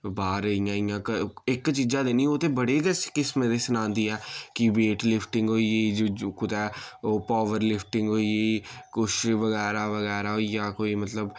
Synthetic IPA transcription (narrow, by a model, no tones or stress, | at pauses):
baːɾəiːjãːɪjãːkəɪkt͡ʃiːd͡ʒãːd̪eːniːoːt̪eːbəɽeːkəskɪsmẽd̪eːsənãːnd̪iːɛːkɪbeːʈlɪpʰʈɪ̃ŋɡɦoːiːed͡ʒoːkʊt̪ɛːoːpaːʋəɾlɪpʰʈɪ̃ŋɡɦoːiːekʊt͡ʃʰʋəɣɛːɾaːʋəɣɛːɾaːoijaːkoːiːmət̪ləb